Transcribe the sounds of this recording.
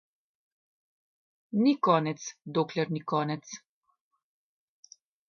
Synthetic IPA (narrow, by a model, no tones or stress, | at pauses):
nikɔːnɛt̪sd̪oːklɛɾnikɔːnɛt̪s